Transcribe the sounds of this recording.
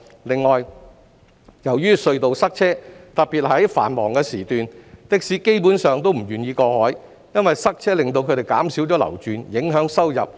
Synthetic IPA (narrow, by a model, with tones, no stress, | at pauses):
lɪ˨ŋːɔː˨j | jɐ˨˩wjyː˥sɵ˧ɥt̪o˨˧wsɐ˥k̚t͡sʰɛː˥t̪ɐ˨t̚piː˨t̚ɦɐ˨˥jfa̰ː˨˩nmɔː˨˩ŋkɛː˧siː˨˩t̪yː˨nt̪ɪ˨k̚siː˨˥ke˥jpuː˨˥nsœː˨˧ŋt̪o˥wm̩˨˩ɥyː˨˩njiː˧kɔː˧hɔː˨˥j | jɐ˥nwɐ˨jsɐ˥k̚t͡sʰɛː˥lɪ˨ŋt̪o˧wkʰɵ˧t̪e˨jkaː˨˥msi˨˥wt͡ɕɔː˨˥lɐ̰˨˩wt͡ʃyː˨njɪ˨˥ŋɦœː˨˥ŋsɐ˥wjɐ̰˨p̚